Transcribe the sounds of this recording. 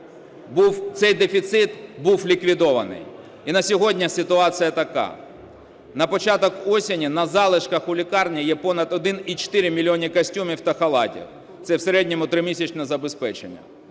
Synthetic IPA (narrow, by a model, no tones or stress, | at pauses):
buwt̪sɛjd̪efʲit̪sɪt̪buwlʲikʋʲid̪ɔʋɐnɪ̰j | inɐsʲɔɦɔdʲnʲɐsɪt̪ʊɑt͡sʲɨjɐt̪ɐkɑ̰ | nɐpɔt͡ʃɑt̪ɔkɔsʲɪnʲinɐzɑlˠɪʃkɐxʊlʲikɑrnʲijɛpɔnɐd̪ɔd̪ɪnit͡ʃɪ̥t̪ɪɾʲɪmʲilʲiɔnʲikɐsʲtʲumʲiwt̪ɐxɐlˠɑ̰tʲḭw | t̪sɛwseɾɛdʲnʲɔmʊt̪ɾɪmʲisʲɐt͡ʃnɛzɐbespɛt͡ʃenʲːɐ̰